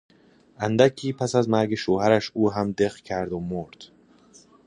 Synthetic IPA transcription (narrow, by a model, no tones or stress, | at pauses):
ʔænd̪æcʰiːpʰæsæzmæɾɡeʃoːhæɾæʃuːɦæmd̪eχcʰæɾd̪omoɾd̪̥